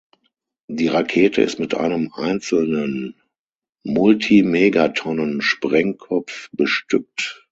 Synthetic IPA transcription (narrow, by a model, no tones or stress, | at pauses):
d̥iːʁakʰeːtʰə̰ɪ̰stmɪtʔa̰ɪnəmʔa̰ɪnt͡sl̩nən | mʊltʰimeɡatʰɔnənʃpʁ̥ɛŋkʰɔpp͡fb̥əʃtʏk̚t